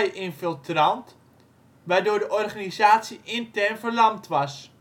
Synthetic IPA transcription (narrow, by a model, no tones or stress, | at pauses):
jʔɪnfɪlˠtrɑnt | ʋaːɹdoːɹdəʔɔrχaːnizaːtsiʔɪntɛrnvəɹlɑmtʋɑs